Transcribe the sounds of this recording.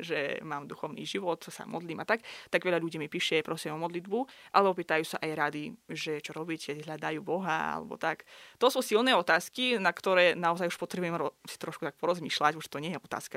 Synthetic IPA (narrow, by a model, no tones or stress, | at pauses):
ʒɛ̰maːmd̪uxɔʊnḭːʒiʋɔt̪sa̰mɔ̰d̪liːmat̪akt̪aɡʋɛʎaʎuɟiːmipiːʃɛpɾɔscɛɔmɔd̪lid̪buʔa̰lɛɔpiːt̪ajuːsa̰ʔajɾad̪iʒɛt͡ʃɔɾɔbicɛɦʎad̪ajuːbɔɦa̰a̰lɛ̰bɔ̰t̪akt̪ɔsuːsilnɛːɔt̪aːskinakt̪ɔɾɛːnaɔzajuʃpɔt̪ɾɛbujɛmɾɔsi̥t̪ɾɔʃkut̪ak̚pɔɾɔzmiːʃlacuʒt̪ɔɲɪɛjɛɔt̪a̰ːska